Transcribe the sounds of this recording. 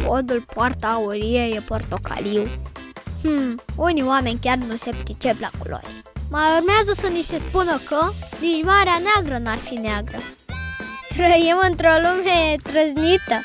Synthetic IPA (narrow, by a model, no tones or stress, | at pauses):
pod̪ulpoart̪auɾijejepo̞rt̪o̞kʰa̰liw | h̩uniwame̞nʲkʲarnuse̞pkʲit͡ʃepla̰kṵlo̰rʲ | maurmeazəsənise̞spunəkəmiʒmaɾeaneaɡɾənuarfineaɡɾə | t̪ɾəimɨnt̪ɾolumet̪ɾəznit̪ə